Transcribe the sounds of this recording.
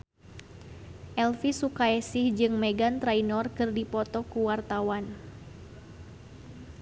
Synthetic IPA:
ʔɛlfisukaɛsɪhd͡ʒɨŋmɛɡant̪ɾainɔrkɨrdipɔt̪ɔkuwart̪awan

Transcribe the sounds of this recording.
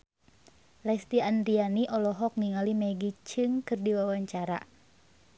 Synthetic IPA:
lɛst̪ianrianiʔɔlɔɦɔk̚niŋalimɛɡit͡ʃɨŋkɨrdiwawaɲt͡ʃaɾa̰

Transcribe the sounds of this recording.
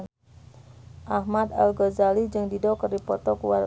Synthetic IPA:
ʔahmad̪a̰lɡɔzalid͡ʒɨŋdidɔkərdipɔt̪ɔkuwa

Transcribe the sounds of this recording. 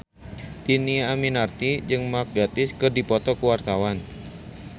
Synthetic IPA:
d̥iniaːminart̪id͡ʒɨŋmak̚ɡat̪ɪskɨrdipɔt̪ɔkuwart̪awan

